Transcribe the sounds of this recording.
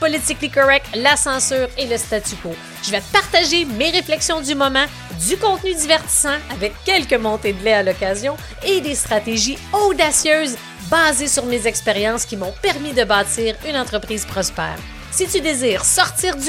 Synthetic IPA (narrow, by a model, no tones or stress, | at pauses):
pɔlit̪ɪklikɔʁɛk̚t̪lasɑ̃syːʁeləst̪at̪yko | ʒ̥əvɛt̪əpaʁt̪aʒemeʁeflɛksjɔ̃d̪ymɔmɑ̃ | d̪ykɔ̃t̪̚nyd̪ivɛʁt̪i̥sɑ̃avɛkʲːɛlkəmɔ̃t̪ed̪lɛalɔkʲazjɔ̃ | ed̪est̪χat̪eʒiod̪asjøːz | baːzesyʁmezɛkspeʁjɑ̃skʲimɔ̃pɛʁmid̪əbaːt̪iːʁynɑ̃t̪χəpχiːz̥pʁɔspɛ̰ːʁ | sit̪yd̪eziːʁsɔʁt̪iːʁd̪y